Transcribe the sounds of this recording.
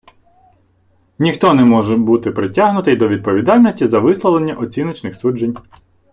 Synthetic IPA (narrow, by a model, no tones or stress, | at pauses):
nʲixt̪ɔnɛmɔʒɛbut̪ɪpɾɪtʲaɦnʊt̪ɪjd̪ɔʋʲid̪̚pɔʋʲid̪ɑlʲnɔsʲtʲizɐʋɪslˠɔlˠenʲːɐʔɔt͡sʲinɔt͡ʃnɪxsud͡ʒenʲ